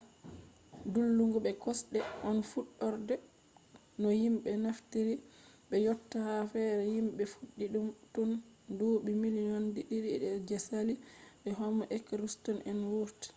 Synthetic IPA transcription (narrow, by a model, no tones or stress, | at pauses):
dulːuŋɡuɓɛkɔsɗɛʔɔnfuɗːɔɾdɛ | nɔhimɓɛnaftiɾi | ɓɛjɔtːahafɛɾɛjimɓɛfuɗːiɗumtundoːɓimilinɔndiɗiɾiɗɛɾd͡ʒɛsaliɓɛɦɔmaʔɛkɾustɔnʔɛnwuɾti̥